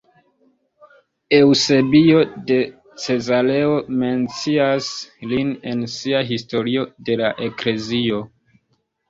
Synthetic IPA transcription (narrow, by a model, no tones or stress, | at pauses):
e̞wse̞bio̞de̞ | t͡se̞zale̞o̞me̞nt͡siasline̞nsiaɦisto̞ɾio̞de̞laʔe̞kle̞zio̞